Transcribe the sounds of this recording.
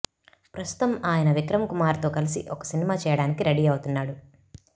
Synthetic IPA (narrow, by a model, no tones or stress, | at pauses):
pɾɐst̪u̥t̪ɐmaːjɐnɐʋikɾɐmkumaːɾt̪o̞ːkɐlisḭʔɔkɐ̥sinimaːt͡ʃɛːjɐɽaːnikiɾɐɽiːɐwut̪unːaːɽu